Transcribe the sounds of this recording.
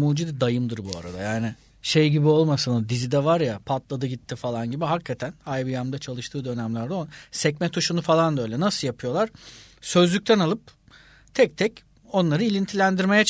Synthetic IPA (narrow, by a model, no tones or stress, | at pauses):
muːd͡ʒid̪id̪ajɯmd̪ɯɾbua̰ɾa̰d̪a̰jaːnɪ | ʃe̞jɟibio̞lˠmasɯnɯd̪izid̪ɛvaɾjapʰat̪lˠad̪ɯɟit̪ʰːifalˠanɟibiɦakʰːat̪ʰænajbijamd̪at͡ʃʰalˠɯʃt̪ʰɯːd̪ø̞næmlʲæɾd̪ɛosɛcmɛt̪ʰuʃunufalˠand̪ø̞jlʲɛnasɯlˠjapʰɯjo̞lˠaɾ̥ | sø̞zlʲyc̚t̪ʰɛnalˠɯp̚ | t̪ʰɛc̚t̪ʰɛc | o̞nlˠaɾɯilʲint̪ʰilʲænd̪iɾme̞jɛt͡ʃʰ